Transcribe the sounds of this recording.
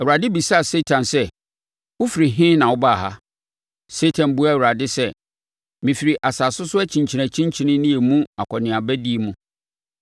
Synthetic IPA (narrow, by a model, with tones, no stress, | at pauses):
ɛ˨u˨ɾa˨dɪ˦bi˨sa˦a˨se˦tʰã˨nsɛ˦ | ʊ˦fi˨ɾi˨ɦɪ̃˦nã˨wʊ˦ba˦˨ɦa̰˦ | se˦tʰã˨n˨bu˦a˦˨u˨ɾa˨dɪ˦sɛ˦ | mĩ˨fi˨ɾi˨ʔa˨saː˨sʊ˦sʊ˦ɛ˦t͡ɕʰĩ˨ɲt͡ɕʰi˨næ̃˨t͡ɕʰĩ˦ɲ˦t͡ɕʰi˦nɪ̃˦nĩ˦e˨mũ˦a̰˨kʰɔ˨nɪ̃˨a˨bæ˦di˦e˨mũ˦